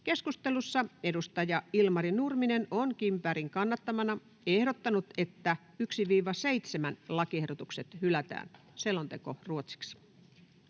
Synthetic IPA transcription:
ke̞skust̪elusːɑedust̪ɑjɑilmɑɾinurminenonkimpæːɾiŋkɑnːɑt̪ːɑmɑnɑ | ehɾot̪ːɑnut̪et̪ːæ | yksiʋiːʋɑseit̪semænlɑkiehɾot̪ukset̪hylæt̪æ̰ːn | selːont̪ekoruot̪si̥ks

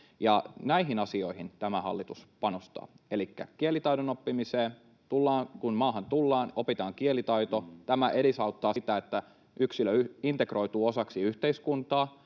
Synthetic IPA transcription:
jɑnæiɦinɑsio̞ihint̪æmæhɑ̰lːit̪uspɑnost̪ɑ̰ːelikːæ̰kielit̪ɑiɾonopːimiseːn | t̪ulːɑːŋkunmɑːɦɑnt̪ulːɑːnopit̪ɑːŋkielit̪ɑit̪ot̪æmæʔeɾisɑut̪ːɑːsit̪æet̪ːæ | yksiløyint̪ekro̞it̪uːosɑksiyht̪eiskunt̪ɑː

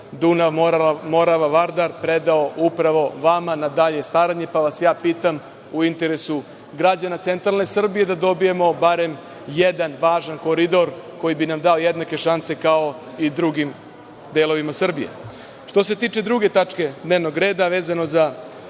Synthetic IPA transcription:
d̪unaʋmo̞ɾaʋaʋaɾd̪aɾpɾed̪ao̞ʔupɾaʋo̞ʋamanad̪aʎe̞st̪aːɾaɲe̞paʋasjaːpiːt̪am | uint̪eɾe̞su | ɡɾad͡ʑanat̪se̞nt̪ɾalˠne̞sr̩bije̞d̪ad̪o̞bijemo̞baɾe̞m | jed̪anʋaːʒanko̞ɾid̪o̞ɾko̞jibinamd̪ao̞jed̪nake̞ʃanse̞kao̞ | id̪ɾuɡim | d̪eːlˠo̞ʋimasr̩bijḛ | ʃt̪o̞s̬e̞t̪iːt͡ʃe̞d̪ɾuɡe̞t̪at͡ʂke̞d̪ne̞ːʋnoɡɾe̞ːd̪aʋeːzano̞za

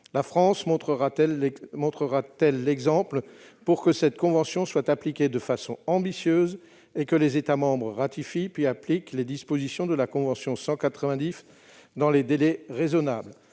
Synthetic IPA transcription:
lafχɑ̃smɔ̃t̪χəʁaɛlmɔ̃t̪χəʁat̪ɛlːɛɡzɑ̃pl | puʁkəsɛt̪kɔ̃vɑ̃sjɔ̃swat̪aplikʲed̪əfasɔ̃ɑ̃bisjøːz | ekəlezet̪amɑ̃bʁəʁat̪ifipɥiaplikled̪ispozisjɔ̃d̪əlakɔ̃vɑ̃sjɔ̃sɑ̃kat̪χəvɛ̃d̪is | d̪ɑ̃led̪elɛʁezɔnabl

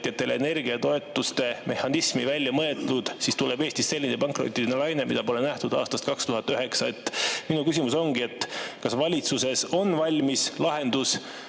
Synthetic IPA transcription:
t̪jɑt̪ːˑe̞leene̞rɡ̥iɑt̪o̞e̞t̪ːˑust̪e̞mʔe̞hɑnismivælʲːjɑmɤe̞t̪ud̪̥sist̪ulebeːst̪isse̞lʲːinepɑŋkro̰t̪ːˑilinelɑjne̞mid̪̥ɑpo̞lenæht̪ud̪̥ɑ̰ːst̪ɑst̪̚kɑkst̪uɦɑt̪ːˑyɦe̞ksɑe̞t̪ˑːminukysimuso̞ŋɡ̥ie̞t̪ːkɑsvɑlʲit̪suse̞so̞nvɑlʲmislɑɦe̞nd̪̥us

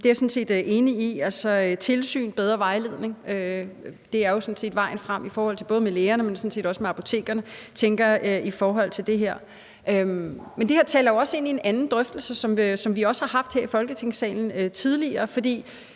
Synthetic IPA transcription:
d̥e̝æɐsɔ̽n̩se̝̰ːd̥ʔe̝ːniiælsɒ̽t͡sʰe̝lsy̰ːnb̥eð̞ˠʁɐʋɑ̈ɪle̝ðˠneŋød̥e̝æɐjo̝sɔ̽nse̝̰ːd̥ʋɑ̈ɪ̰n̩fʁam̰ifɒːhɒ̽l̰t͡s̝ʰb̥ɔ̽ð̞ˠmeleːɐnəmensɔ̽nse̝̰ːd̥ɒ̽səmeɑ̈pʰo̝t͡sʰe̝̰ːɡ̥ɐnət͡sʰeŋɡ̥ɐøʔifɒːɦɒ̽l̰t͡sʰe̝ld̥e̝ɦeɐ̰ | ʔømmend̥eheɐ̰t͡sʰɛ̰ːlɐjoɒ̽se̝n̰ie̝nænn̩d̥ʁœfd̥l̩səsɒ̽msɒ̽mʋiɒ̽sə̥hɑ̈ɦɑ̈fd̥heɐ̰ifɒ̽lɡ̥ət͡sʰeŋ̰sɛ̰ːln̩øt͡sʰið̞ˠliɐːfɒ̽d̥ḭː

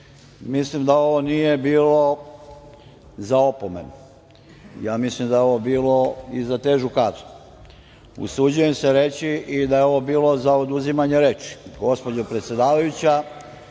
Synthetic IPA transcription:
mislimd̪ao̞ʋo̞nije̞biːlo̞ | zao̞pome̞̰n | jaːmislimd̪ajeo̞ʋobiːlo̞izat̪e̞ːʒukat̪ | ṵsud͡ʑuje̞mse̞ɾe̞t͡ɕiʔid̪ajeo̞ʋo̞biːlˠo̞zaod̪uzimaɲeɾe̞ːt͡ʃi̥ɡo̞spo̞d͡ʑopɾet̪sje̞d̪aːʋajut͡ɕa

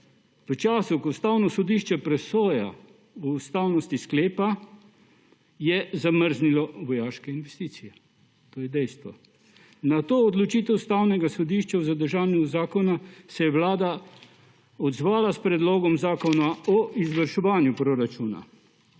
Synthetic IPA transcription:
pət͡ʃaːsukɔwst̪awnɔsɔd̪iːʃt͡ʃɛpɾɛsoːja̰ | uːst̪aːwnɔst̪iskleːpa | jɛzaməɾznilɔʋɔjaːʃkɛinʋɛst̪iːt̪sijɛ | t̪oːjɛd̪ɛjst̪ʋɔ | nat̪oːd̪lɔt͡ʃiːt̪ɛwst̪awnɛɡasɔd̪iːʃt͡ʃawzad̪əɾʒaːnjuzaːkɔnasɛjɛʋlaːd̪a | ɔd̪zʋaːlaspɾɛd̪loːɡɔmzaːkɔnaɔʔizʋəɾʃɛʋaːnjupɾoɾat͡ʃuːna̰

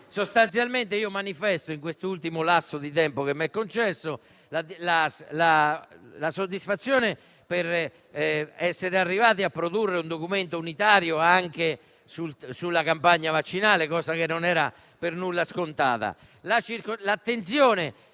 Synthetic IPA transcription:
sost̪ansjalment̪eiːomanifɛst̪oiŋkwest̪oult̪imolasːod̪it̪ɛmpokemːɛkːont͡ʃɛsːo | lalalalasod̪ːisfat̪sːjɔːne | peɾ | ɛsːeɾearːivaːt̪iapːɾod̪urːeund̪okument̪ounit̪aːɾjoaŋke | sulsulːakampaɲːavat͡ʃːinaːlekɔːzakenːonɛːɾa | pernulːaskont̪a̰ːða̰ | lat͡ʃiɾklat̪ːent̪sjɔːne

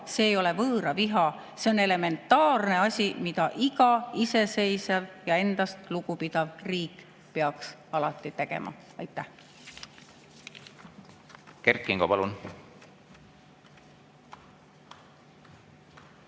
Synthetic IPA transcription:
se̞ːjo̞le̞vɤːɾɑviɦɑ | se̞o̞ne̞le̞me̞nt̪ːˑɑːrne̞ɑsʲimid̪̥ɑʔiɡɑise̞se̞jsɑvjɑe̞nd̪̥ɑst̪luɡupid̪ɑvriːk | peɑksɑlɑt̪ːˑit̪e̞ɡ̥e̞̰mʔɑ̰ | ɑjt̪ːˑæh | kerkːˑiŋɡ̥opɑlun

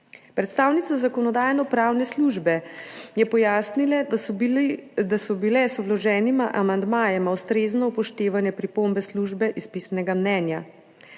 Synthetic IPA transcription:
pɾɛt̪st̪aːwnit̪sazakɔnɔd̪aːjnɔpɾaːwnɛsluʒbɛjɛpɔjaːsnil | d̪asɔbilɛsɔblɔʒɛːnimaʔamand̪maːjɛmawst̪ɾeːznɔpɔʃt̪eːʋanjɛpɾipombɛsluʒbɛʔispiːsnɛɡamnɛːnja

